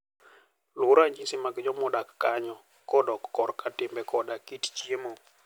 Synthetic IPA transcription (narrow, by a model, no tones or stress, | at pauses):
lʊɾaɲd͡ʒisɪmaɡd͡ʒɔmɔdakːaɲɔ | kɔdɔkːɔrkatɪmbɛkʰɔdakitt͡ʃiemo